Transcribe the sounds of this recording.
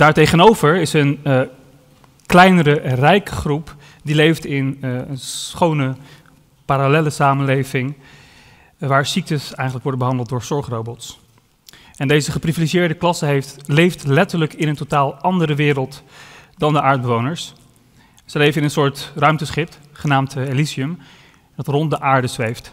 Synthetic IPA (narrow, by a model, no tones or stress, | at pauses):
d̥aːɹtejχənowvəɹɪsən | klɛjnəɾərɛjkχrup | dilejftɪnənχownə | paːɾalɛləsaːmənlejvɪŋ | ʋaːɹsik̚təsɛjχələkʋɔɹdənbəɦɑndəlˠt̚dʊːɹsɔɹχrowbɔts | ʔɛndejzəχəpriviliʒiɪːɹdəklɑsəɦlejftlɛtəɹləkɪnəntotaːlˠʔɑndəɾəʋɪːɾəlˠtdɑndəʔaːɹd̚bəʋownəɹs | səlejvənɪnənsʊːɹtrœɥmtəsχɪp̚tχənaːmteliziəm | d̥ɑtrɔnt̚dəʔaːɹdəzʋejft